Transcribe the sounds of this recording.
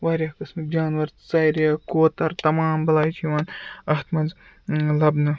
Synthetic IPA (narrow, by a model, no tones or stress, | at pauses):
ʋaːɾʲjaːkɨsmɨd͡ʒʲaːnʋɐɾt̪t͡sɐjɾjaːkoːt̪ɐɾt̪ɐmaːmbɐlaːjt͡ʃʰiʋaːnɐht̪mɐnz | lɐbnɨ